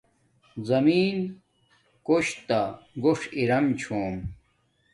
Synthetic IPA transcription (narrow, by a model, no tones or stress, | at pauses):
zɐmiːn | koɕt̪aɡoʂiɾɐmt͡ɕʰoːm